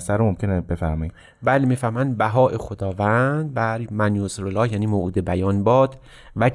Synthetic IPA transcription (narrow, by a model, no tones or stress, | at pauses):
sæɾomomkʰenebe̞fæɾmɒːji | bæːlemiːfæɾmænd̪bæɦɒːʔe̞xod̪ɒːvænd̪̚bæɾmænjosɾolɒːhjæniːmoʔuːd̪e̞bæjɒːnbɒːd̪̥ | væk